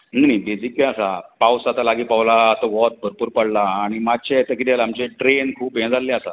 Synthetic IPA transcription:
ninĩbed͡zikkãasapawsat̪alaɡiːpaʋlaːt̪ɔ̃ʋɔt̪̚bʱəɾpuːɾpəɽlaːɽ̃imad͡ʑ̚t͡ɕet̪akit̪alamt͡ɕeʈɾenkʰuːpẽd͡zalːẽasa

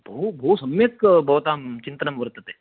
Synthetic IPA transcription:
bʱɐubʱɐusɐmjekbʱɐʋt̪aːmt͡ʃɪnt̪ɐnɐmʋɐɾt̪ət̪eː

